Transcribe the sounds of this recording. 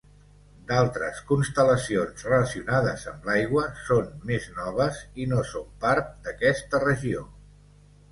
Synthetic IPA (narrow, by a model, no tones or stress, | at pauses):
d̪alˠt̪ɾə̰skunst̪ələsionzrələsiunaðəzəmlajɣwəsonmeznɔβ̞əzinosompaɾt̪̚d̪əkɛst̪ərəʒio